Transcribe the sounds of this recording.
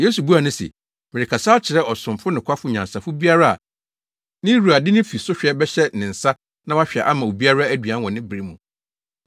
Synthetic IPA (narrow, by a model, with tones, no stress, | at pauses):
je˦su˨bu˦a˨nʊ̃˦sḛ˨ | mɪ̃˨ɾɪ˨kʰa˨saː˦t͡ɕʰɪ˨ɾɛ˦ɔ˨sʊ̃˨mfʊ˦nɪ̃˨kʰʷa˦fʊ˦ɲã˨nsa˨fʊ˦bi˦a˦ɾa˦a̰˨ | nɪ̃˦ɾu˨a˨dɪ˦nɪ̃˦fi˨sʊ˦ɕᶣɛ˦bɛ˦ɕɛ˦nɪ̃˨n̩˨sa˦ | nã˦wa˦ɕᶣɛ̰˨ʔa˦mã˨o˨bi˦a˦ɾa˦æ˦dɥã˨˦wɔ̃˨nɪ̃˦bɪ˨ɾi˦mũ˨